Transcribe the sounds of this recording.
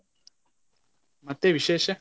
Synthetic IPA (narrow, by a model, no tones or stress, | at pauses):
mat̪eβiʃeʃa